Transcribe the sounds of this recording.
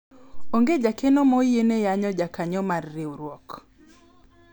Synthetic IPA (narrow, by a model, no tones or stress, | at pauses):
oŋɡed͡ʒakenɔmɔjenejaɲɔd͡ʒakaɲɔmarːɪuɾwɔk